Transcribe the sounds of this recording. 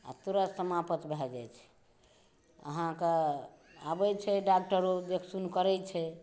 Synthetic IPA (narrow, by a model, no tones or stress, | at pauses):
a̰t̪uɾəsəmapət̪bʱɛd͡ʒajt͡ʃʰɛ̥ | ə̰ɦãke | abɛt͡ʃʰɛɖak̚ʈəɾod̪ekʰsunkəɾɛt͡ʃʰɛ